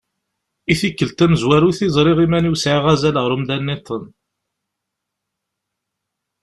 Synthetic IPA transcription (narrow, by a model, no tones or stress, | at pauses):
iθikːəlt̪æməzwæɾuθizˤɾˤɪʁimæniwsʕiʁæzæləʁɾˤumðænːit̪ˤːən